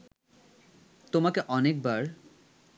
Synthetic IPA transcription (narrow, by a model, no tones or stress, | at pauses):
t̪omakeʔɔnek̚baɾ